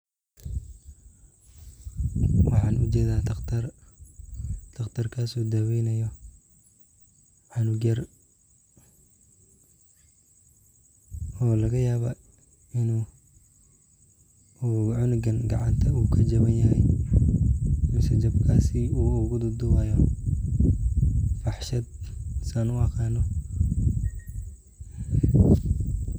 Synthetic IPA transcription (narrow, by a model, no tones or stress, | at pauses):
wɑħɑːnʊt͡ʃɛːðaːd̪ɐqt̪ʰɐr | d̪̥ʰɐqt̪ʰɐrkʰaːsuːd̪ɐwɛjnɐjɔ | ʕɑnʊɡjɐr | ɔːlɐɣɐjaːβɐ | ɪnuː | ʕʊnʊɡɐnɡɑʕɑnt̪ʰɐuːkʰɐd͡ʒɐβɐnjɐhɛj | mɪsɛt͡ʃɐbkʰaːsiuːʊɣʊd̪ʊd̪ʊwaːjɔ | fɑħʃɐd̪̚saːnʊɐqʰɑːnɔ